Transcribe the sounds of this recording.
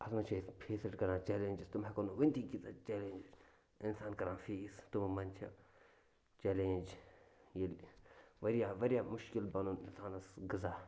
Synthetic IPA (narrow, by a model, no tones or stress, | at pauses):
ɐsmɐt͡ʃʰɐspʰeːseʈkɐɾãːt͡ʃɛːlenʲd͡ʒist̪ʊmekonuʋɐnd̪iɡizat͡ʃɛːleːnd͡ʒs | ɪnsaːnkɐɾãːfʰiːst̪ummɐnt͡ʃʰḭ | t͡ʃɛːleːnd͡ʒjilʋɐɾijaʋɐɾijaːmʊʃkɪlbɐnuɪnsaːnɐsɡɐzaː